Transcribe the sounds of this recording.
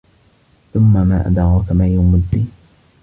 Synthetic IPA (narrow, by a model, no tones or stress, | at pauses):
θʊmːamaːʔa̰d̪ɑɣɑkamaːjʊmʊd̪ːi